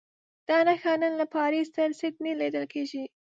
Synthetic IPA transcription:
d̪̥ɑnaxɑnənlapɑɾist̪aɾsɪt̪niled̪əlkeʒi

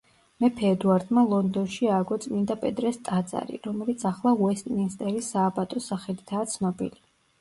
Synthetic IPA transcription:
mɛpʰɛːd̪uaɾd̪malˠɔnd̪ɔnʃiaːɡɔt̪sʼmind̪apʼɛd̪ʼɾɛst̪ʼad̪za̰ɾḭɾɔmɛlit̪sʰaχlˠauɛst̪ʼnist̪ʼɛɾisaːbat̪ʼɔsaχɛlit̪ʰaːt̪sʰnɔbḭli

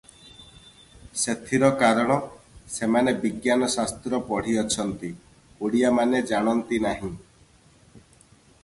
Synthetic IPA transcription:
set̪ʰiɾɔkaɾɔɽ̃ɔsemanebiɡjanɔsast̪ɾɔpɔɽ̤iɔt͡ʃʰɔnt̪i | uɽijamaned͡ʒaɽ̃ɔnt̪inaɦĩ

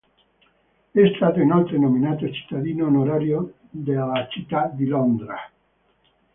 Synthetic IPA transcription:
est̪ad̪enalt̪ɾenomĩnat̪ot͡ʃi̥t̪aðinonoɾaɾjo | d̪elat͡ʃit̪ad̪ilond̪ɾa

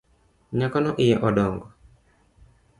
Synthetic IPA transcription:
ɲakɔnɔʔɪjɛʔɔdɔŋɡɔ

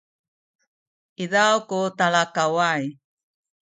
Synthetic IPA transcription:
iðawkutaɭakawaj

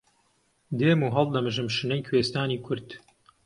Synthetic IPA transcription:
d̪eːmuːɦɐlˠd̪ɐmɨʒɨmʃɨnɐjkʰweːst̪aːniːkʰʊɾd̪̥

